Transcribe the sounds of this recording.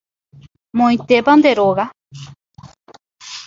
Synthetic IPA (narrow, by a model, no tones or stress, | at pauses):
mõĩt̪epand̪eɾoɣa